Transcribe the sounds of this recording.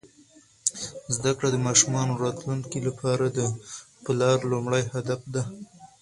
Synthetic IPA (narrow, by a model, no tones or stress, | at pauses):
zd̪akɽad̪əmɑʃumɑnoɾɑt̪luŋkilapʰɑɾad̪ə | pɪlɑɾlumɽajhad̪afd̪a